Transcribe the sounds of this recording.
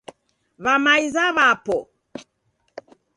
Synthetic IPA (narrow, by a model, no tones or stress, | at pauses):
βamaizaβapɔ